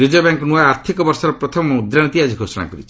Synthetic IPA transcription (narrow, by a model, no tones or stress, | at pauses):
ɾid͡ʒɔbjaŋkɔnuaaɾt̪ʰikɔbɔɾsɔɾɔpɾɔt̪ʰɔmɔmud̪ɾaɽ̃it̪iad͡ʒiɡʱosɔɽ̃a̰kɔɾit͡ʃʰi̥